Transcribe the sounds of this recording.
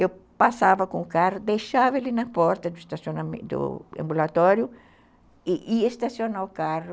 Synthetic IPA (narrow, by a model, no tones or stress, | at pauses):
ewpasavɐkõʊkarʊd̪ejʃavɐelinɐpɔɾt̪ɐd̪ʊest̪asjonamd̪ʊ̰ɐ̰̃mbulat̪ɔɾjʊ | iʔiɐest̪asjonaʊkarʊ